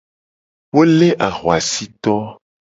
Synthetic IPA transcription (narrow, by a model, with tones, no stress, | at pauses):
wo˦le˦ʔa˨ɣwa˨si˦t̪ɔ˦